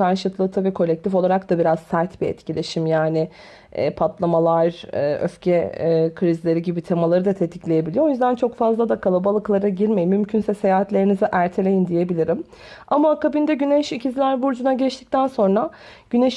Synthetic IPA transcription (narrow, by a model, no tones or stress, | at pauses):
aɾʃɯt̪lˠɯt̪ʰavikʰo̞lʲɛc̚t̪ʰifolˠaɾakd̪abiɾazsæɾt̪biɛ̰t̪cilʲe̞ʃimjaːnɪ̰ː | pʰat̪lˠamalˠaɾɯːø̰fcʰɛkʰɾizlʲe̞ɾiɟibit̪ʰemalˠaɾɯd̪at̪ʰe̞t̪ʰi̥clʲe̞je̞bilʲijoo̞jyzd̪ænt͡ʃʰo̞kfazlˠad̪akʰalˠabalˠɯklˠaɾaɟiɾmejimːymcʰynsɛse̞jaːɦat̪lʲe̞ɾinizɛʔæɾt̪ʰe̞lʲe̞jind̪ije̞bilʲiɾim | amakabind̪ɛɟynɛʃicʰizilʲæɾbuɾd͡ʒunaɟɛt͡ʃt̪ʰic̚t̪ʰænso̞nɾaɟ̥ynɛʃ